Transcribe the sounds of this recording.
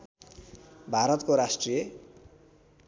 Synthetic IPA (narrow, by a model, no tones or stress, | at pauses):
bʱaɾʌt̪koɾasʈrije